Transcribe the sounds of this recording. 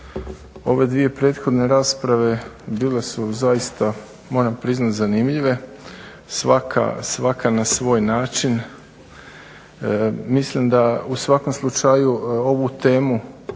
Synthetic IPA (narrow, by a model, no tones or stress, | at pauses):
o̞ʋe̞d̪ʋije̞pɾe̞ːt̪xo̞d̪ne̞ɾaːspɾaʋe̞biːle̞suzajist̪a | mo̞ːɾampɾiznat̪zanimʎiʋe̞ | sʋakʰa̰sʋakʰanasʋo̞ːjnaːt͡ʃin | mislimd̪ausʋako̞mslˠut͡ʃajuo̞ʋut̪e̞ːmu